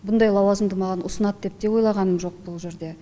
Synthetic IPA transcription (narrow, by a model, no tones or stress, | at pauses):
bʊnd̪ɑjlˠɑwɑzəmd̪əmɑʁɑnʔʊsənɑt̪̚d̪e̞p̚d̪e̞wo̞jlˠɑʁɑnəmʒo̞q̚bʊlˠʒe̞ɾd̪e̞